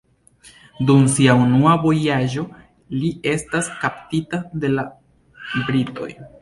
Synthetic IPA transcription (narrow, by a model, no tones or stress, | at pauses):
dumsiaunuavo̞jaʒo̞ | lie̞staskaptitade̞la | bɾito̞̰j